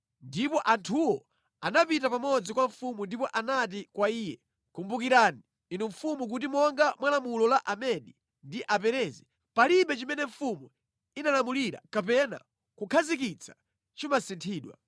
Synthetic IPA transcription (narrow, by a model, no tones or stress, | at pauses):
ndipɔʔantʰuwɔ | anapitapamɔd͡zikwaɱfumundipɔʔanat̬ikwaiːjɛ | kumbukiɾaːniː | nuɱfumuk̬ut̬imɔŋɡamwalamulɔlaʔamɛɗi | ndiʔapɛɾɛzi | paliɓɛt͡ʃimɛnɛɱfumu | inalamuliɾa̰kapɛna̰ | kukʰazik̬it͡sʰḁ | t͡ʃimasintʰiːɗwa̰